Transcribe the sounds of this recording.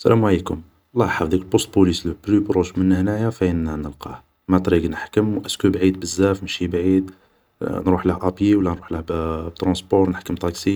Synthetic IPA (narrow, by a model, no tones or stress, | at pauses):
sæ̰læmwʕlikʊm | lˤːɑħɑwd̪ikəlbost̪̚pulislplypɾuʒmənːhnæjafæənːænəlqɑ̰h | mæt̪ɾiɡnəħkəmwʔəskubʕid̪̚bəzːæfmʃibʕid̪ | nɾuħləhʔɑpjiwəlːænɾuħləhbbt̪ɾɑ̃spɔɾˤnəħkəmt̪ˤɑksi